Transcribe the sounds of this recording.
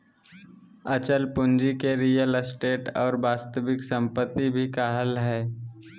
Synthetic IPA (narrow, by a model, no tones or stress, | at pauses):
ət͡ʃəlpʊ̃nd͡ʒikeɾijələsʈeːʈɔːɾbaːst̪əʋɪksə̃mpət̪ːibʱikaɦəlɦɛː